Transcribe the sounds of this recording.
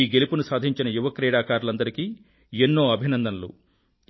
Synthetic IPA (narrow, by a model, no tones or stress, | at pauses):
iːɡe̞lupunusaːd̪ʱiɲt͡ʃinɐjuʋɐkɾɛːɽaːkaːɾulɐnd̪ɐɾikiː | enːo̞ːɐbʱinɐnd̪ɐnɐlṵ